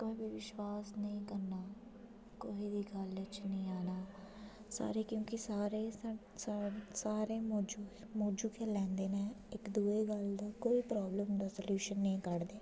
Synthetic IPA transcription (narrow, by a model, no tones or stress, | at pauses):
koːibiʋɪʃwaːsnəĩːkəɾnaː | koːiːd̪iːɡələt͡ʃnəĩːaːnaː | sa̰ːɾeːkjõːkɪsaːɾeː | ssaːɾeːmoːd͡ʒu | moːd͡ʒuːkeːlɛ̃ːnd̪eːnẽːɪkd̪uːeːɡəld̪aːkoːiːpɾɔːbləmd̪aːsəljuːʃənːəĩːkəɾd̪eː